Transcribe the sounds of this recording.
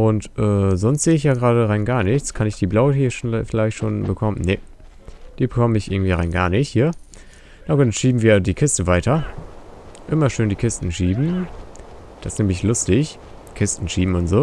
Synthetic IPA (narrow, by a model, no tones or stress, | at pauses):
ʔʊntʔɛːzɔnstz̥eːɪçjaːɡʁaːdəʁaɪnɡaːɐnɪçt͡skʰanɪçd̥iːblaʊəhiːʃfɪlaɪçtʃoːnbəkʰɔmənne | d̥iːbəkʰɔməɪçʔɪɐɡŋ̩tv̥iːʁaɪnɡa̰ːɐnɪçthiːɐ | naɡuːtʃiːbm̩viːɐdiːkʰɪstəvaɪtʰɐ | ʔɪmɐʃøːndiːkʰɪstn̩ʃiːbm̩ | d̥assneːməɪçlʊstɪç | kʰɪstn̩ʃiːbm̩ʊntz̥oː